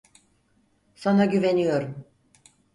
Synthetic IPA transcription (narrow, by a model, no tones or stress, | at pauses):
sanaɟyvenijo̞ɾum